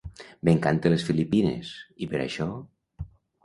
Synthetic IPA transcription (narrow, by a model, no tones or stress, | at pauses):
beŋkant̪elesfilipinḛsipeɾa̰ʃɔ